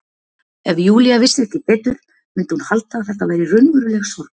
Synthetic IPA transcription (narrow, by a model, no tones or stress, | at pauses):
ɛvjuːliavɪsɛht̪ɪpɛːt̪ʏɾ̥ | mʏnt̪ɪhunhalt̪awθɛht̪ːavɛːjɾɪrʏnmʏɾʏlɛxsɔɾk